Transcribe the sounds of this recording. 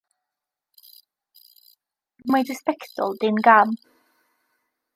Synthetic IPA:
majdəspɛktɔ̰lˠdɪnɡam

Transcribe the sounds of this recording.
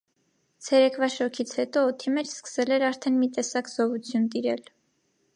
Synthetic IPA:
t͡sʰɛɾɛkʰvɑʃɔkʰit͡sʰhɛt̪ɔːt̪ʰimɛt͡ʃʰskə̥sɛlɛɾɑɾt̪ʰɛnmit̪ɛsɑkz̥ɔvut͡sʰjunt̪iɾɛl

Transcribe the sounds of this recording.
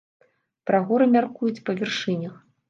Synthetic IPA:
pɾaɣɔɾɨmʲarkujut͡sʲpɐvʲɛrʂɨnʲɐx

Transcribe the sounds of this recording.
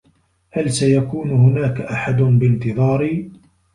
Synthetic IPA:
halsajakuːnʊhʊnaːkaʔaħad̪ʊnbɪnt̪ɨðˤɑːɾɪ

